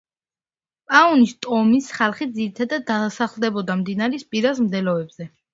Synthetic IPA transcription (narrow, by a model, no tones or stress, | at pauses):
pʼaɔnist̪ʼɔmisχalˠχid̪ziɾit̪ʰad̪ad̪̚ːasaχlˠd̪ɛbɔd̪amd̪inaɾispʼiɾasmd̪ɛlɔɛbzɛ